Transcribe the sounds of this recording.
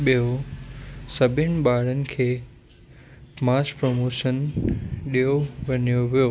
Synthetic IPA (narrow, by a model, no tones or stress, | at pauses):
ɓijo | sɐbʱɪnɪ̆ɓaːɽənɪ̆kʰeː | maːspɾomoːʃənɗijoʋɐnijoʋijoː